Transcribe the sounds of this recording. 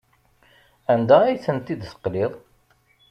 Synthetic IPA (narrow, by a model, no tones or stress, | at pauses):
ænd̪æijθənt̪id̪sə̥qːliðˤ